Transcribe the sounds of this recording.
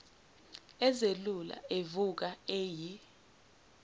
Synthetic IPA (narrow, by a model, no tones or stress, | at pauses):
ɛzelula̰evuk̬aeːji